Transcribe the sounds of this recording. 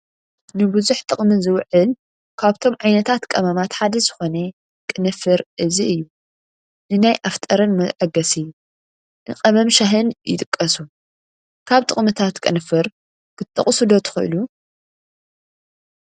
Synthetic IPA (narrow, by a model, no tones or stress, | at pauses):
nɨbɨzuħt̪ʼɨχʼmɨzɨwʕɨl | kʰaβt̪ʰo̞mʕajnɐt̪ʰat̪kʼɐmamat̪ħad̪ɐzɨxo̞ne | kʼɨnɨfɨɾʔɨziʔɨjːu | nɨnajʔaft̪ʼɐɾɨnmɐʕɐɡɐsɨjːu | nɨqʼɐmɐmʃaɦɨnjɪt̪ʼɨkʼːɐsu | kʰaβt̪ʼɨχʼmɨt̪ʰat̪kʼɨnɨfɨɾ | kʰɨt̪ʰːɐ̰χʼsɨd̪o̞t̪ʰɨ̥xɨʔɨ̰lu